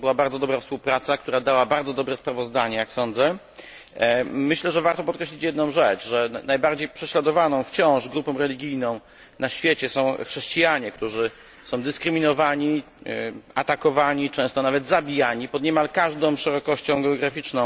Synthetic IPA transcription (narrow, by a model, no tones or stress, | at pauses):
bɨwabaɾd̪ɔd̪ɔbɾafspuwpɾat̪sakt̪uɾad̪awabaɾd̪zɔd̪ɔbɾɛspɾavɔzd̪aɲɛjaksɔnd̪zɛ | mɘɕlɛʐɛvaɾt̪ɔpɔt̪̚kɾɛɕlʲit͡ɕjɛd̪nɔ̃w̃ʐɛt͡ʂʐɛnajbaɾd͡ʑejpʂɛɕlad̪ɔvanɔ̃w̃ft͡ɕɔ̃w̃ʐɡɾupɔ̃w̃ɾɛlʲiɡʲijnɔ̃w̃ | naɕfʲjet͡ɕɛsɔ̃w̃xʂɛɕt͡ɕijaɲɛk̚t̪uʐɘ | sɔ̃w̃d̪ɘskɾɘmʲinɔvaɲi | at̪akɔvaɲit͡ʂɛ̃w̃st̪ɔnavɛd̪zabʲijaɲipɔd̪ɲɛmalkaʐd̪ɔ̃w̃ʂɛɾɔkɔɕt͡ɕɔ̃w̃ɡɛɔɡɾafʲit͡ʂnɔ̃w̃